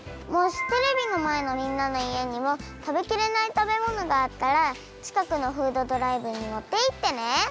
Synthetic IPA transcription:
mo̞ɕi̥t̪e̞ɾe̞bʲino̞mae̞no̞mʲĩnːano̞ie̞ɲ̟imo̞t̪abe̞kʲiɾe̞nait̪abe̞mo̞no̞ɡaːt̪ːaɾa | t͡ɕi̥kakɯ̟no̞ɸɯ̟ːd̪o̞d̪o̞ɾaibɯ̟ɲ̟imo̞t̪ːe̞it̪ːe̞ne̞

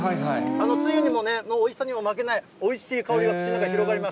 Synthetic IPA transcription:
aaiano̞t͡sɨjoɲ̟imo̞ne̞noːisaɲ̟imo̞mak̬e̞nai | o̞iɕiːkao̞ɾʲiɡakɯ̟t͡ɕinakaçʲiɾo̞ɡaɾʲimasɨ̥

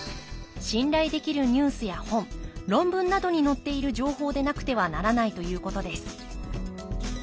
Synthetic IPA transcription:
ɕĩnɾaid̪e̞kʲiɾɯ̟ɲ̟ɯːsɨjahõ̞mɾõ̞mbɯ̟̃nːad̪o̞ɲ̟ino̞t̪ːe̞iɾɯ̟ʑo̞ːho̞ːd̪e̞nakɯ̟̥t̪e̞βanaɾanait̪o̞jɯ̟ːko̞t̪o̞d̪e̞sɨ̥

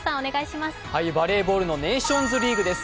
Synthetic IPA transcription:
sãoneɡaiɕimasɨ̥haibaɾe̞ːbo̞ːɾɯ̟no̞ne̞ːɕõ̞nzɨɾʲiːɡɯ̟d̪e̞sɨ̥

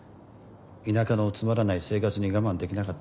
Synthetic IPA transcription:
inakano̞t͡sɨmaɾanaise̞ːkat͡sɨɲ̟iɡamãnd̪e̞kʲinakat̪ː

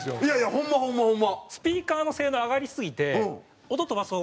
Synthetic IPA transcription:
sjoijaijahõmːahõmːahõmːasɨ̥pʲiːkaːno̞se̞ːnoaɡaɾʲisɨɡʲit̪ẽ̞ | ot̪ot̪o̞βasoː

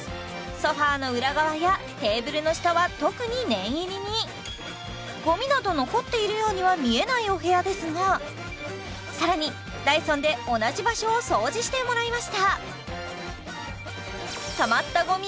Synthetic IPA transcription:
so̞ɸaːno̞ɯ̟ɾaɡaβaja | t̪e̞ːbɯ̟ɾɯno̞ɕi̥t̪oβat̪o̞kɯ̟ɲ̟inẽ̞ɰ̃iɾʲiɲ̟i | ɡ̥o̞mʲinad̪o̞no̞ko̞t̪ːe̞iɾɯ̟jo̞ːɲ̟iβamʲie̞naio̞ɦe̞jad̪e̞sɨŋa | saɾaɲ̟i | d̪aisõ̞nd̪e̞o̞naʑibaɕo̞ːso̞ːʑiɕi̥t̪e̞mo̞ɾaimaɕi̥t̪a | t̪amat̪ːaɡo̞mʲi

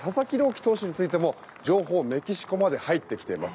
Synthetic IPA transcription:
sasakʲiɾo̞ːkʲt̪o̞ːɕiɲ̟it͡sɨit̪e̞mo̞ | d͡ʑo̞ːɦo̞ːme̞kʲiɕi̥ko̞mad̪e̞hait̪ːe̞kʲt̪e̞imas

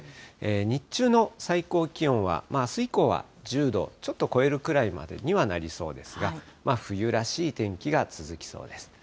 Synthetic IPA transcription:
eːɲ̟it͡ɕɨːno̞saiko̞ːkʲiõ̞ɰ̃βa̰maːsɨiko̞ːβa̰ | d͡ʑɨːd̪o̞̰t͡ɕo̞t̪ːo̞ko̞e̞ɾɯ̟kɯ̟ɾaima̰d̪e̞̰ɲ̟iβanaɾʲiso̞̰ːd̪e̞sɨɡamaɸɯ̟jɯ̟ɾaɕiːt̪ẽ̞ŋkʲiɡat͡sɨzɨkʲi̥so̞̰ːd̪e̞sɨ̥

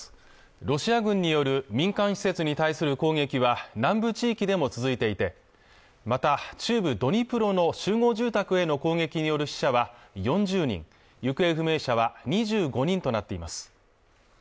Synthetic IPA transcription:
ɾo̞ɕiaɡɯ̟̃ɲ̟ːijo̞ɾɯ̟mʲĩŋkãɰ̃ɕi̥se̞t͡sɨɲ̟it̪aisɨɾɯ̟ko̞ːŋe̞kʲiβanãmbɯ̟t͡ɕiːkʲid̪e̞mo̞t͡sɨzɨit̪e̞it̪e̞ | mat̪at͡ɕɨːbɯ̟d̪o̞ɲ̟ipɯ̟ɾo̞no̞ɕɨːŋo̞ːʑɨːt̪akɯ̟e̞no̞ko̞ːŋe̞kʲiɲ̟ijo̞ɾɯ̟ɕi̥ɕaβajõ̞ɲd͡ʑɨːɲ̟ḭ̃ŋ | jɯ̟kɯ̟e̞ɸɯ̟me̞ːɕaβaɲ̟iʑɨːɡo̞ɲ̟ĩnt̪o̞nat̪ːe̞imasɨ̥

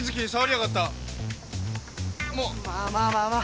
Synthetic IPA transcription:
izɨkʲiɲisaβaɾijakat̪ːa | moːaaa

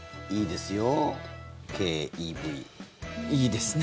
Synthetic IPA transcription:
iːd̪e̞sɨjo | kʰeːiːbi | iːd̪e̞sɨn

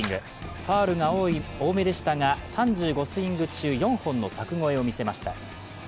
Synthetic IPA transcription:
ŋɡɯ̟ | ɸaːɾɯ̟ŋao̞ːme̞d̪e̞ɕi̥t̪aŋasãɲd͡ʑɨːɡo̞sɨĩŋɡɯ̟t͡ɕɨːjõ̞ɰ̃hõ̞nːo̞sakɯ̟ŋo̞e̞o̞mʲise̞maɕi̥t̪a

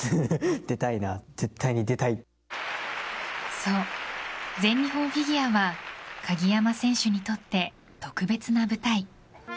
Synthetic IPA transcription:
d̪̥e̞t̪ainaz̥e̞t̪ːaiɲ̟id̪e̞t̪ai | so̞ː | zẽ̞ɲʲːiɦõ̞ɰ̃fʲiɡʲiaβakʰaɡʲijamasẽ̞ɰ̃ɕɨɲ̟it̪o̞t̪ːe̞ | t̪o̞kɯ̟be̞t͡sɨnabɯ̟t̪ai

